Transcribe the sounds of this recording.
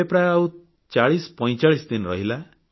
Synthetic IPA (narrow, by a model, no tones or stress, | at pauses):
epɾaau | t͡ʃaɭispɔ̃j̃t͡ʃaɭisd̪inɾʌ̰ɦila